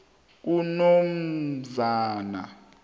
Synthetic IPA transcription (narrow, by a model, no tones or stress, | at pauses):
k̬unom̩zaːna̰